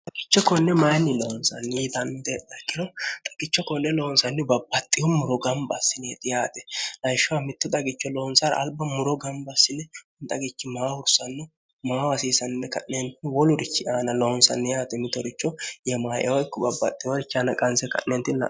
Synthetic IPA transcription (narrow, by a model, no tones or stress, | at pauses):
t̪ʼɐɡɪt͡ʃːɔkɔnːɛmajnːɪlɔhɔnsɐnːid̪ɐmːɪt̪ɛt̪ɐkʼːɪɾɔt̪ʼɐ̥ɡ̥ɪt͡ʃːɔkɔnːɛlɔhɔnsɐnːɪbɐbːɐt̪ʼːɪjɔmʊɾɔɡɐmbɐsːɪneːt̪ɪjaːt̪ɛ̥lɐjʃːʊwamɪt̪ːɔt̪ʼɐɡɪt͡ʃːɔlɔɔnsɐɾ̰ɐ̰lbɐmʊɾɔɡɐmbɐsːɪnɛʊnt̪ʼɐɡɪt͡ʃːɪmaːwʊɾsɐnːʊ | maːwɐsiːsɐnnːɛkɐ̰nːent̪ɪnwɔlʊɾɪt͡ʃːɪaːnɐlɔhɔnsɐ̰nːɪjaːt̪ɛmɪt̪ːɔɾɪt͡ʃːɔjɛmaːjɛ̰wɔjkːɔbɐbːɐt̪ʼːɪjɔɾɪt͡ʃːɪanɐkʼɐnsɛkɐ̰nːeːnt̪ːɪnɐ̰